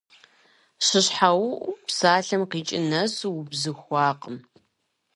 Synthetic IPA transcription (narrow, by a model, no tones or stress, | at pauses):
ɕɪɕħawʔpsaːɬɐmqiːt͡ʃʼɪnɐswbzɨxʷɑːqʼəm